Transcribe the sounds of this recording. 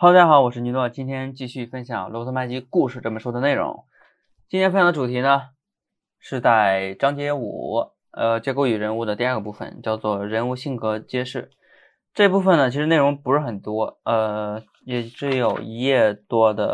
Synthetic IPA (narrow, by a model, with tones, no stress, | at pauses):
xɑ˧˥ʊt͡s̪ʰxɑ˨˥˦ʊwɔ˨˩ʂɻ̩˥˩ny˧˥nlwɔ˥˩t͡ɕi˥nt̪ʰjɛ˥nt͡ɕi˥˧ɕy˥˩fə˥nɕjɑ̰˨˩ŋlɔ˧˥ʊɤ˥ma˥ɪt͡ɕi˥ku˥˧ʂɻ̩˥˧˩ʈ͡ʂɤ˥˩mə˩ʂwɔ˥d̪ə˧ne˥˩ɪɻʊ̰˧˥ŋ | t͡ɕi˥nt̪ʰɛ˥fjndə˧ʈ͡ʂu˨˩t̪ʰi˧˥nə˧ | ʂɻ̩˥˧t͡sa˥˩ɪʈ͡ʂɑ˥ŋt͡ɕjɛ˥ṵ˨˩ | ə˧t͡ɕjɛ˥ko˥y˨˩ɻə˧˥nu˥˩ə˩t̪i˥˧˥ɡə˩pu˥˩fə̰˨˩nt͡ɕjɑ˥˧ʊt͡swɔ˥˩ɻə˧˥nu˥˧ɕi˥˩nkɤ˧˥t͡ɕjɛ˥ʂɻ̩˥˩ | ʈ͡ʂɤ˥˧pu˥˩fə˩nə˩t͡ɕʰi˧˥ʂɻ̩˧˥ne˥˩ɪɻʊ˧˥ŋpu˧˥ʂɻ̩˥˩xə˨˩nt̪wɔ˥ə˧ | jɛ˨˩ʈ͡ʂɻ̩˥˩jo˨˩ʊi˧˥jɛ˥˩t̪wɔ˥d̪ə̰˨